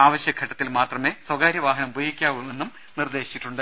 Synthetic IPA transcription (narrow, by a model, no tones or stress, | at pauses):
aːʋɐɕjɐkʰɐʈːɐt̪ːilmaːt̪rɐme̞ːswɐɡaːɾjɐʋaːɦɐnɐmbʱojikʲːaːʋuenːum | nird̪e̞ːɕi̥t͡ɕːiʈːuɳɖɨ